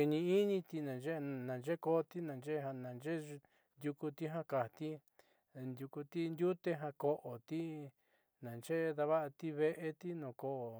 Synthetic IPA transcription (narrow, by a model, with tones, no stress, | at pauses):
i˧nĩ˧i˦nĩ˧t̪i˧nã˨nd͡ʒe˦˧˨nã˨nd͡ʒe˦ko˦˧t̪i˦nã˨nd͡ʒe˦˧ɦa˧nã˨nd͡ʒe˦˧ | nd̪ju˧ku˧t̪i˦ɦã˦ka˨t̪i˦˧ | nd̪ʲju˧ku˧t̪i˦nd̪ju˦t̪e˦ɦã˧ko˧ʔo˨t̪i˦ | nã˨nt͡ʃe˦˧ða˧βa˦ʔa˧t̪i˦βe˧ʔe˧t̪i˦nõ˨ko˧ʔ